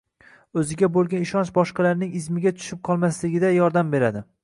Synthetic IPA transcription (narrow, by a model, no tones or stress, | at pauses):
ɵzɪɡʲabolˠɡʲanɪʃɒnt͡ʃbɒʃqɑlaɾnɪŋɪzmɪɡʲat̪ʰʊ̥ʃɪp̚qʰɒlˠmaslɪɡʲɪd̪ajɒɾd̪ambe̞ɾad̪ɪ